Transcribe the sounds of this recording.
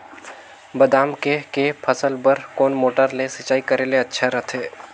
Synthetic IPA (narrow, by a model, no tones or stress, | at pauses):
bɐd̪aːmkekepʰəsəlbəɾkɔːnmoːʈəɾlesɪt͡ʃaːikɐɾeleɐtːʃʰaɾɐt̪ʰeː